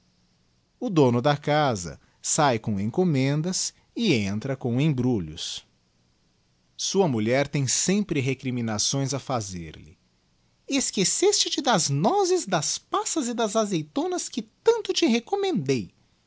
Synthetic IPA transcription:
ʊd̪õnʊd̪ɐkazɐ̰ | sajkõẽkomẽnd̪ɐs | ɪẽnt̪ɾɐkõw̃ẽj̃bɾuʎʊ̰s | suɐmuʎɛɾt̪ẽj̃sẽmpɾɪɦekɾimĩnasõj̃zɐfazḛɾlɪ̰ | eskesest͡ʃɪt͡ʃɪd̪ɐznɔzɪzd̪ɐspasɐzɪd̪ɐzazejt̪õnɐskɪt̪ɐ̃nt̪ʊt͡ʃɪɦekomẽnd̪ej

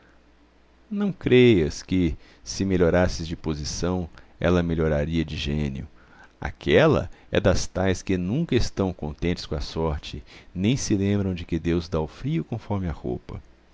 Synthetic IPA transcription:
nɐ̃w̃kɾejɐskɪ | sɪmeʎoɾasɪzd͡ʒɪpozisɐ̃w̃ɛ̰lɐmeʎoɾaɾiɐd͡ʒɪʒẽnjʊ | a̰kʰɛlɐ̰ | ɛ̰d̪ɐst̪ajskɪnũkɐɪst̪ɐ̃w̃kõnt̪ẽnt͡ʃ̪ɪ̥skõɐsɔɾt͡ʃɪnẽj̃sɪlẽmbɾɐ̃w̃d͡ʒɪkɪd̪ewzd̪aʊfɾiʊkõfɔɾmɪaho̰pɐ̰

